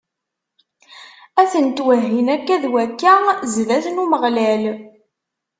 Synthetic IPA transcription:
æθənt̪wəɦːinækːæðwækːazvæθnuməʁlæl

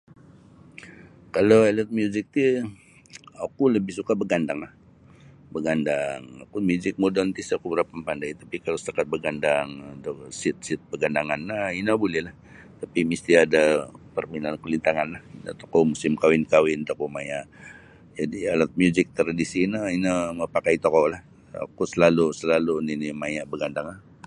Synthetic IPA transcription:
kaloalat̪̚mjuzɪk̚t̪i | akuləbɪhsukabəɡandaŋlah | bəɡandaŋakumjuzɪk̚modɔnt̪isakubəɾapampandajt̪apikalost̪akat̪̚bəɡandaŋt̪sɪt̪̚sɪt̪̚bəɡandaŋanːainabolɛhlah | t̪apimist̪iadapərminankulint̪aŋanlaha̰t̪okomusɪmkawɪnkawɪnt̪okomajaʔ | d͡ʒadialat̪̚mjuzɪk̚t̪ərdisinəinəməpakait̪okolah | a̰kusəlalusəlaluninimajaʔbəɡandaŋlah

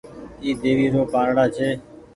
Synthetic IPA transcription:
iːd̪eːʋiːɾoːpãːɾɽaːt͡ʃʰeː

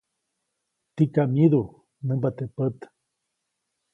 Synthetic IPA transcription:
t̪ikamiðu | nəmbat̪epət̪

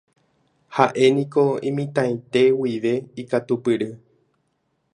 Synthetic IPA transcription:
haʔe̞nĩko̞ĩmĩt̪ãj̃t̪e̞wiʋe̞ikat̪upɨɾɨ

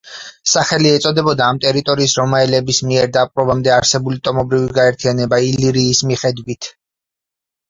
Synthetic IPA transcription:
saχɛliɛt̪sʼɔd̪ɛbɔd̪aːmt̪ʼɛɾit̪ʼɔɾiːsɾɔmaɛlɛbismiɛɾd̪apʼɾɔbamd̪ɛaɾsɛbulit̪ʼɔmɔbɾiviɡaɛɾt̪ʰianɛbailiɾiːsmiχɛd̪wit̪ʰ

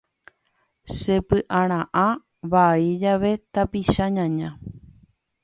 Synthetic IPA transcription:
ʃe̞pɨʔãɾ̃ãʔã | ʋaid͡ʒaʋe̞t̪apiʃaɲãɲã

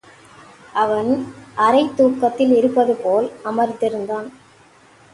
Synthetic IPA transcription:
ɐʋɐnʔɐɾɐɪt̪ːuːkːɐt̪ːɪlɪɾɯpːɐðɯpoːlɐmɐɾt̪ːɪɾɯnd̪aːn

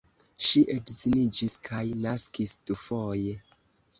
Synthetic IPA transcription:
ʃiʔedzinid͡ʒiskʰajnaskisd̥ufoje

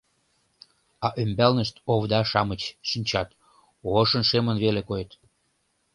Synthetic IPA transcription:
ɑʔømbælnəʃt̪oβd̪ɑʃɑmət͡ɕʃinʲt͡ɕɑt̪ | oʃənʃemənβelekojet̪

